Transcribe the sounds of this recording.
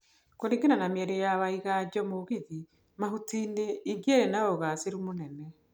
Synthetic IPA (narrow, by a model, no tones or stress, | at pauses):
koɾeŋɡenanamjɛɾejaβaiɣad͡ʑɔmoɣiði | maɦutineiŋɡiaɾenaoɣaseɾumonɛnɛ